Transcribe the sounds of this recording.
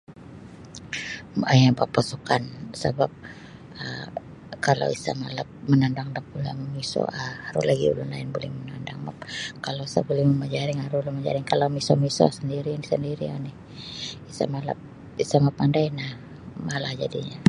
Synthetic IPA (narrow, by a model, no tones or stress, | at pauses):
majapapasukansə̰bap̚ | ə | kala̰wisa̰ma̰lap̚mənandaŋdakula̰məmiso̰ʔahaɾʊlaɡḭṵlʊnla̰ɪnbolɛhmənandaŋma̰pkalawisa̰bolɛhməməd͡ʒaɾɪŋhaɾulʊnməd͡ʒa̰ɾɪŋkalawmisomiso̰səndiɾianɪsəndiɾia̰nɪh | isa̰mala̰p̚ | isamapandajnah | malahd͡ʒadiɲa